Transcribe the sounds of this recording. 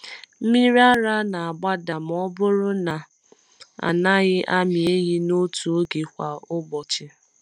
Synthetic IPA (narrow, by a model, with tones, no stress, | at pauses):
m̩˦mi˦ɾi˦a˦ɾa˦na˨a˨ɡ͡ba˦da˨m˨ɔ˦bʊ˦ɾʊ˦na˨ | a̰˨na˦ɣɪ˦ʔa˦mi˨e˦ɣi˦no˦tu˨o˦ɡi˨kʷa˨ʊ˦ɡ͡bɔ˨t͡ʃɪ˦